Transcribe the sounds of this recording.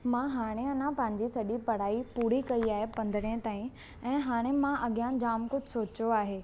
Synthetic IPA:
mãɦaːɽ̃eɐnãpɐ̃ɦɪ̃ɲ̆d͡ʑisɐʄipɐɽ̤aːipuːɽikɐiaːɦepɐ̃nd̪ʱəɽẽt̪aːĩ | ɛ̃ːɦaːɽ̃emãʔɐɠijãd͡ʑaːmkʊd͡ʑʱsoːt͡ɕjoaːɦeː

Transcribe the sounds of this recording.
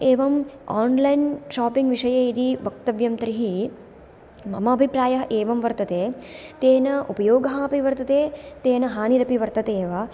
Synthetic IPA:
eːʋɐmaːnlɐjnʃaːpiŋɡʋiʂɐjɐid̪ibɐk̚t̪ɐʋjɐmt̪ɐɾiɦi | mɐ̰mɐːbʱipɾaːjɐɦɐʔeːʋɐmʋɐɾt̪ɐt̪eːt̪eːnɐʔupɐjoːɡɐɦɐːpiʋɐɾt̪ɐt̪eːt̪eːnɐɦaːniɾɐpiʋɐɾt̪ɐt̪eːʋa

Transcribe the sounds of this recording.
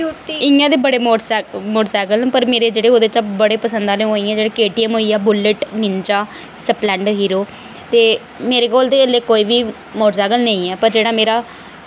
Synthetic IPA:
ɪjãːd̪eːbəɽeːmoːʈsmoːʈsaːkəlnːpəɾmeːɾeːd͡ʒeːɽeːoːd̪eːt͡ʃãːbəɽeːpəsənd̪aːleɦoːiːɛ̃ːd͡ʒeːɽeːkeːʈiːəmɦoːiːaːbʊlːəʈnɪɲt͡ʃaː | səplɛ̃ːɳɖɦiːɾoː | t̪eː | meːɾeːkoːlt̪eːelːeːkoːiːbiː | moːʈsaːɡəlnəĩːɛːpəɾd͡ʒeːɽaːmeːɾaː

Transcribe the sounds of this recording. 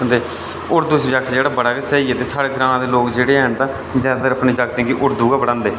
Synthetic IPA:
ənd̪eː | ʊɾd̪uːsd͡ʒaːk̚t̪ːd͡ʒeːɽaːbəɽaːkesɛːiːeːt̪eːsaːɽeːɡəɾaːnãːd̪eːloːkd͡ʒeːɽeːɦənt̪ãː | d͡ʒaːd̪aːt̪əɾəpniːd͡ʒaːɡt̪ɛ̃ːkiʔʊɾd̪uːɡaːbəɽãːnd̪eː

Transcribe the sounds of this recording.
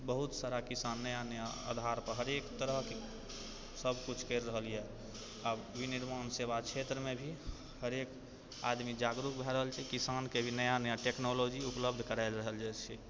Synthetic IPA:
bəɦut̪saɾakisanːəjanəjaa̰d̪ʱaɾpəɾɦəɾekt̪əɾəɦke | səbʱkut͡ʃʰkəɾːəɦəliɦɛ | a | ʋiniɾmaːnsebakt͡ʃʰet̪ɾəmẽbʱi | həɾek | a̰d̪mid͡ʒaɡɾukbʱɛɾəɦəlt͡ʃʰɛkisankebʱinəjanəjaʈeknolod͡ʒiupləb̚d̪ʱkəɾaɪlɾəɦəld͡ʒaːt͡ʃʰɛ

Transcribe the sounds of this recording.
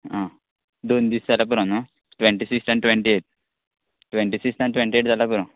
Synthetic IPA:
ɦã | d̪ond̪iːsd͡zalap̬uɾãnɔ | ʈʋɛɳʈisiksʈãnʈʋɛ̃ɳʈieʈ̚ | ʈʋẽɳʈisiksãnʈʋẽɳʈieʈd͡zalapuɾãn

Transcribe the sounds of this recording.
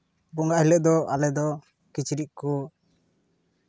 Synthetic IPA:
bɔŋaʔhilɛʔd̪ɔʔalɛd̪ɔ | kit͡ʃiɾiʔ̚kɔ

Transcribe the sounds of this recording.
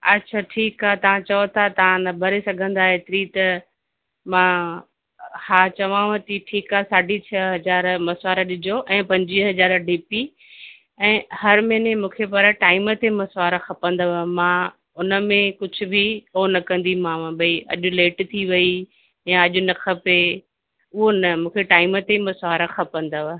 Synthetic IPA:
ɐtːʃʰaʈʰiːkaːt̪ɐʋ̤ãt͡ɕɐot̪ʰat̪ɐ̤ãnɐbʱəɾesɐɡʱə̃nd̪aːeːt̪ɪɾit̪ɐ | mã | haːt͡ɕɐʋãʋɐt̪iʈʰiːkaːsaːɖʱit͡ɕʰɐɦɐzaːɾmɐsʋaːɾaɗɪd͡ʑʱoʔɛ̃ːpɐ̃ɲd͡ʑiɦɐzaːɾɖiːpi | ɛ̃ːhɐɾmɛːnemũːkʰepɐɾʈaːɪmət̪emɐsʋaːɾaxɐpə̃nd̪aʋəmãː | ʊnə̆mẽkʊd͡ʑʱʊ̆bʱionɐkɐ̃nd̪imãːʋ̃ɓɐiʔɐ̰ʄʊ̆leːʈt̪ʰiʋɐi | jãɐʄʊ̆nɐxʰɐpe | ʊɦonɐmũːkʰeʈaːɪmət̪emɐsaːɾaxɐpə̃nd̪aʋə

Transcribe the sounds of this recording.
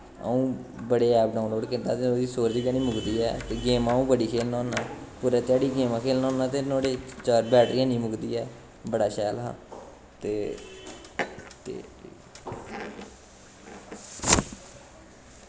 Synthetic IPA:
ə̰ũːbəɽeːɛːp̚ɖaːʊnloːɖkɪnd̪a̰ːt̪eːnoːd̪iːsoːɾd͡ʒɡãːnĩːmʊɡd̪iːɛ̰ːt̪eːɡeːmãːũːbəɽiːkʰeːlnõːnaːpʊɾaːt̪ɪjaːɖiːɡeːmãːkʰeːlnɔ̃ːnãːt̪eːnoːɽeːt͡ʃaːɾbɛːʈɾiːãːnĩːmʊɡd̪iːɛː | bəɽaːʃɛːlɦã̰ː | t̪eː | t̪ḛː

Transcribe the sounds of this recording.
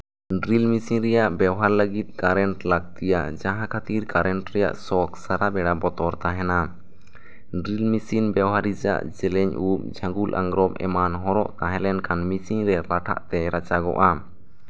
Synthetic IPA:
ɖɾilmisiɲɾɛjaʔbɛwɦaɾləɡit̪̚kaɾɛɳʈlak̚t̪ijad͡ʒaɦãkʰat̪iɾkaɾɛɳʈɾɛja̰ʔsɔksaɾabɛɽabɔt̪ɔɾt̪aɦɛna | ɖɾilmisinbɛwɦaɾid͡ʒa̰ʔd͡ʒɛlɛɲup̚d͡ʒʱãɡulʔa̰ŋɡɾɔmʔɛ̰manɦɔɾɔ̰ʔt̪aɦɛ̃lɛnkanmisiɲɾɛlaʈʰa̰ʔt̪ɛɾat͡ʃaɡɔ̰ʔa

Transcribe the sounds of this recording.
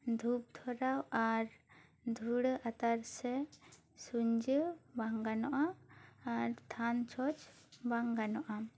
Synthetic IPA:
d̪ʱup̚t̪ʰɔɾawaɾ | d̪ʱuɽəʔat̪aɾsɛ | suɲd͡ʒəbaŋɡanɔʔaː | ɾt̪ʰant͡ʃʰɔt͡ʃ | baŋɡanɔʔa

